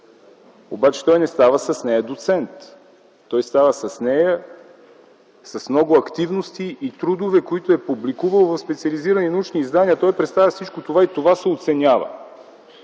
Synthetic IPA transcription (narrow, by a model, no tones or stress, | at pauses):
obat͡ʃɛ̥t̪ɔjnɛst̪avəsɐsnɛjɐd̪ot̪sɛnt̪ː | ɔjst̪avəsɐsnɛjə | sɐsmnɔɡʊɐkt̪ivnost̪iʔit̪ɾud̪ovɛkoit̪ʊɛpublikuvəlˠvɐfspɛt̪siɐliziɾɐninɐut͡ʃniːzd̪aniɐt̪ɔjpɾɛt̪st̪avʲəfsit͡ʃkot̪ovait̪ovasɛot̪sɛnʲavə̰